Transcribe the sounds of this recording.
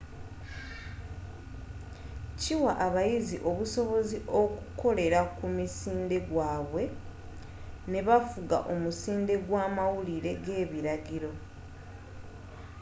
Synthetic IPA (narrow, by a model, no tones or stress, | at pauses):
ciwaʔːβajiziʔo̞βuso̞βo̞ziʔo̞kuko̞le̞ɾakumisiːnde̞ɡwaːβwe̞ | ne̞βafuɡa̰ʔo̞musiːnde̞ɡwaːmawuliɾe̞ɡe̞ːβiɾaɡiɾo̞